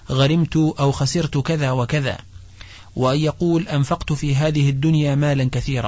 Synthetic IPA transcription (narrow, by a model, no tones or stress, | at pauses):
ɣaɾɪmt̪ʊʔawxasɪɾt̪kaðaːwakaða̰ː | wʔajɑquːlʔanfɑqt̪ʊfiːɦaːðɪhɪd̪ːʊnjaːmaːlankaθiːɾa̰ː